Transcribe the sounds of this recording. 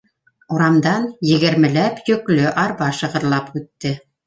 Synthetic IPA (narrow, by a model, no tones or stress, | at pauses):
uɾɑmd̪ɑnjɘ̆ɡɘ̆ɾmɘ̆læpjɵ̆klɵʔɑɾβɑʃɤ̆ʁɤ̆ɾlˠɑpʉt̪ːɘ